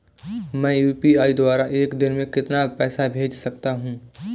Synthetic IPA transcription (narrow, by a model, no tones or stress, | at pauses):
mɛ̃ːjuːpiaːid̪waːɾaʔeːkd̪ɪnmẽkɪt̪napɛːsabʱeːd͡ʒsɐkt̪aɦũː